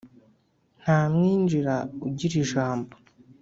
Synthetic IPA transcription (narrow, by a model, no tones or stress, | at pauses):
n̥aːmŋiːnd͡ʒiɾauɟiɾiʒaːmbo